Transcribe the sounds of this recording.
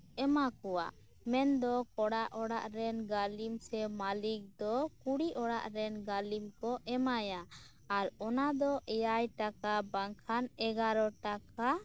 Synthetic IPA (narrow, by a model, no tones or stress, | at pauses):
ɛmakɔwa̰ | mɛnd̪ɔkɔɽaʔɔɽaʔɾɛnɡalimsɛmalik̚d̪ɔkuɽiʔɔɽa̰ʔɾɛnɡalimkɔʔɛmaja | aɾɔnad̪ɔʔɛjajʈakabaŋkʰanɛɡaɾɔʈaka